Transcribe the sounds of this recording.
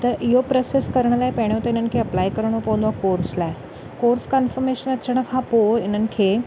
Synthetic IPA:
t̪ɐʔɪɦopɾɐseskɐɾɽ̃əlaːepɐɽ̃jot̪ɐɪnənɪ̆kʰeɐplaːikəɾɽ̃opɐʋə̃nd̪akoːɾslaːɪ | koːɾskanfəɾmeʃənɐt͡ɕʰəɽ̃əkʰãpoɪn̤ənɪ̆kʰeː

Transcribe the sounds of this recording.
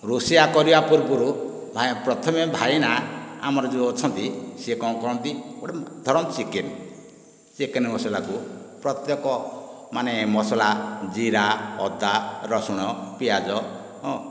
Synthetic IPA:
ɾusiakɔɾibapuɾbuɾubʱapɾɔt̪ʰɔmebʱajnaa̰mɔɾɔd͡ʒoːt͡ʃʰɔnt̪isekɔ̃w̃kɔɾɔnt̪ioɽed̪ʱɔɾɔmt͡ʃiken | sekenemɔsɔlakupɾɔt̪jɔkɔ | manemɔsɔlad͡ʒiɾaɔ̰d̪aɾɔsuɽ̃ɔpiad͡ʒɔ̃

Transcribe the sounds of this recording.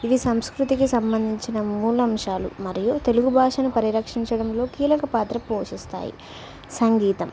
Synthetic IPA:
id̪isɐmskɾut̪ikisɐmbɐnd̪ʱiɲt͡ʃinɐmuːlɐmʂaːlṵmɐɾijut̪e̞luɡubʱaːʂɐnupɐɾiɾɐkʂiɲt͡ʃɐɽɐmlo̞ːkiːlɐkɐpaːt̪ɾɐpoːʂist̪a̰ːjḭ | sɐŋɡiːt̪ɐm

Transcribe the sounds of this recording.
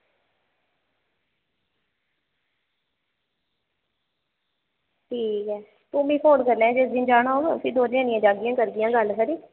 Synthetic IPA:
ʈʰiːkɛː | puːmiːpʰoːɳkəɾlẽːd͡ʒɪsd̪ĩːd͡ʒaːɳ̃oːɡsiːd̪oːɾãːnɪjãːd͡ʒaːɡɪjãːkəɾɡɪjãːɡəlkəɾiː

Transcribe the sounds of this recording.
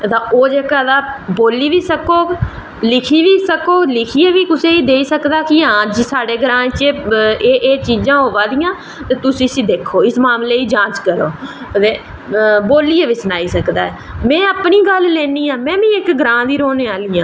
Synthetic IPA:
t̪ãːoːd͡ʒeːkaːd̪aːboːliːʋiːsəkoːɡ | lɪkʰiːʋiːsəkoːlɪkʰiːeːʋiːkʊseːiːd̪eːiːsəkd̪aːkɪãːd͡ʒsaːɽeːɡɾãːt͡ʃeːʔeːt͡ʃiːd͡ʒãːɦoːʋãːd̪ijãː | t̪eːt̪ʊsĩsĩːd̪eːkʰːoːɪsmaːmleːiːd͡ʒãːt͡ʃkəɾoːd̪eː | boːliːeːʋiːsənaːiːsəkd̪aːɛː | mɛ̃ːəpniːɡəllɛːniːãːmɛ̃ːʋĩːɪkɡəɾãːd̪iːɾoːneːaːlijãː

